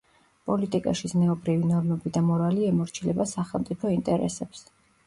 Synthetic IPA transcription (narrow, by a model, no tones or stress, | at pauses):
pʼɔlit̪ʼikʼaʃizmɛɔbɾivinɔɾmɛbid̪amɔɾaliɛmɔɾt͡ʃʰilɛbasaχɛlˠt̪sʼipʰɔint̪ʼɛɾɛ̰sɛps